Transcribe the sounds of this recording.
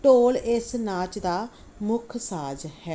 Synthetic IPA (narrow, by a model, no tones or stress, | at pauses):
ʈoːlɪsnaːt͡ʃd̪aː | mʊkʰsaːd͡ʒhɛː